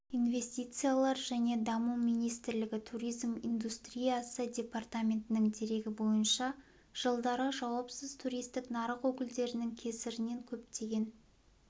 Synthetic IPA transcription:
inve̞sʲt̪ʲijt̪sɨjalˠɑɾʒæne̞d̪ɑmumijnijst̪ɪɾlɪɡʲɪt̪ʰuɾijzmijnd̪ust̪rʲijasədʲe̞part̪amʲe̞nt̪ɪnɪŋd̪e̞ɾe̞ɡʲɪbo̞jənʃɑ | ʒ̥əlˠd̪ɑɾəʒɑwɑpsəz̥t̪ʰuɾʲijst̪ɪknɑɾəqwɵkʲɪld̪e̞ɾɪnɪŋkʲʰe̞sɪɾɪne̞ŋkʲʰɵp̚t̪e̞ɡʲe̞n

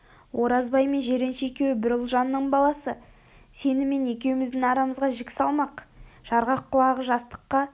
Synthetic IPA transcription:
wʔo̞ɾɑzbɑjme̞nʒe̞ɾenʃɪe̞kʲe̞wɪbɪɾɪlˠʒɑnːəɴbɑlˠɑsə | se̞nɪme̞ne̞kʲe̞wɪmɪzd̪ɪŋɑɾɑməzʁɑʒɪkʲɪ̥sɑlˠmɑqʒ̥ɑɾʁɑqʰːʊlˠɑʁəʒɑst̪ə̥qːɑ

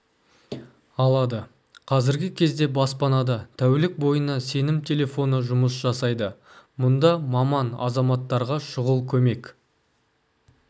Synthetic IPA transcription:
ɑlˠɑd̪ə | qʰɑzɪɾɡʲɪkʲʰe̞zd̪e̞bɑspɑnɑd̪ɑt̪ʰæwlɪk̚bo̞jənɑse̞nɪmt̪ʲʰe̞lʲe̞fo̞nəʒʊməsʒ̥ɑsɑjd̪ə | mʊnd̪ɑmɑmɑnɑ̰zɑmɑt̪ːɑɾʁɑʃʊʁəlˠkʲʰɵme̞k

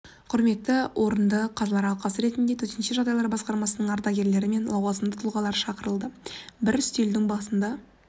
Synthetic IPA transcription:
qʰʊɾme̞t̪ːɪwʔo̞ɾənd̪əqʰɑzɑlˠɑɾɑlˠqɑsəɾe̞t̪ɪnd̪e̞t̪ʰɵɾt̪enʃeʒɑʁd̪ɑjlˠɑɾbɑsqɑɾmɑsənəɴɑɾd̪ɑɡʲe̞ɾle̞ɾɪme̞nlˠɑwɑzəmd̪ət̪ʰʊlˠʁɑlˠɑɾəʃɑqəɾəlˠd̪əbɪɾʏst̪e̞ld̪ɪŋbɑsənd̪ɑ

